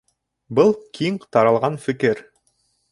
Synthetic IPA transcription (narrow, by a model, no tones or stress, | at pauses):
bɤlˠkʰiŋqt̪ɑɾɑlˠʁɑnfɘ̆kɘɾ